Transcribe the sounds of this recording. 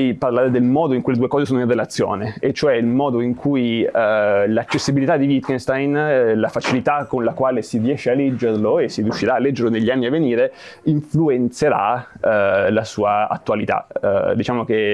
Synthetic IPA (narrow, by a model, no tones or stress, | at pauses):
jparlaːɾed̪elmɔːd̪oiŋkujled̪uːekɔːzesoːnoĩnrːelat̪sːjo̰ːneet͡ʃːoɛilmɔːd̪oiŋkʰuj | lat͡ʃːesːibilit̪ad̪ːivit̪kinst̪ajnlafat͡ʃilit̪akːonlakwaːlesirjɛːʃːealːɛd͡ʒːerloesːiɾijuʃːiɾaːlːɛd͡ʒːeɾloneʎːianːiavːeniːɾeiɱfluent̪seɾa̰ | lasuːaa̰t̪ːwalit̪a̰d̪it͡ʃaːmoke